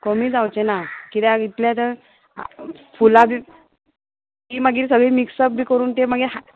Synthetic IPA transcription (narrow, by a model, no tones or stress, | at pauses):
komiːd͡zawt͡ɕenakit̪eaɡit̪ljat̪ə̰ | fulabʱiː | kiːməɡiːɾsəɡʱeːmiksəp̚bʱiːkəɾuːnt̪eməɡiɦa